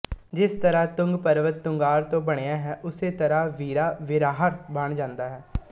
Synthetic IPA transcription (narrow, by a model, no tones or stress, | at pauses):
d͡ʒɪst̪əɾaːt̪ʊ̃ŋɡpəɾʋət̪ːʊŋɡaːɾt̪õːbəɽ̃eːaːɦɛːʔʊseːt̪əɾaːʋiːɾaːʋɪɾaːɦəɾbəɳd͡ʒãːnd̪aːɦɛː